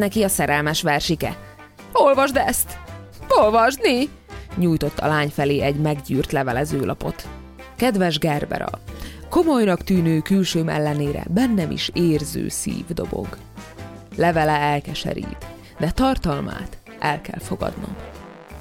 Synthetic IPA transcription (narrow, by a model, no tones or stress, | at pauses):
nɛkiɒsɛɾɛlmɛʃʋɛrʃikɛ | o̞lvɒʒd̪ɛst̪ | o̞lvɒʒd̪ni | ɲuːjt̪o̞t̪ːɒlaːɲfɛleːʔɛɟmɛɡɟyːrt̪lɛvɛlɛzøːlɒpo̞t̪ | kɛd̪vɛʒɡɛrbɛ̰ɾɒ̰ko̞mojnɒkt̪yːnøːkylʃøːmɛ̰lːɛneːɾɛ̰bɛnːɛmʔḭʃeːrzø̰ːsḭːvd̪o̞bo̰ɡ | lɛvɛlɛɛlkɛʃɛ̰ɾḭːt̪ | d̪ɛt̪ɒrt̪ɒlma̰ːt̪ | ʔɛlkɛ̰lfo̞ɡɒ̰d̪no̰m